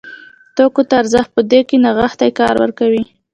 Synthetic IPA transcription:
t̪okot̪aːɾzəx̚pəd̪ekenaɣaxt̪ajkɑɾwə̰ɾkawi

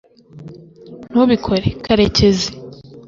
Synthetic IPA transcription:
n̥uβikʰoɾekaɾeceze

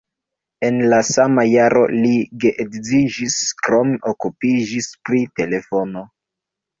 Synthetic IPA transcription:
e̞nlasamajaɾo̞liɡeʔekzid͡ʒiskɾo̞meʔokupid͡ʒispɾite̞le̞fo̞no̞

